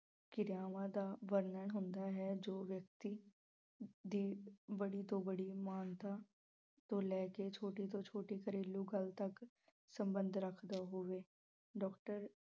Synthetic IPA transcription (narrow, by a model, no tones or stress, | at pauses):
kɪɾjaːʋãːd̪aːʋəɾnəɳɦʊnd̪aːɦɛːd͡ʒoːʋjək̚t̪iː | d̪iːbəɽiːt̪õːbəɽiːmaːnt̪aː | t̪õːlɛːket͡ʃʰoːʈiːt̪õːt͡ʃʰoːʈiːkəɾeːluːɡəlt̪ək | səmbənd̪ʱɾəkʰd̪aːɦoːʋeː | ɖɔːkʈəɾ